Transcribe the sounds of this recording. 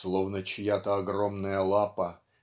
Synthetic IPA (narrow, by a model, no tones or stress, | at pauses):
slˠovnət͡ɕjat̪əɐɡromnəjəlˠapə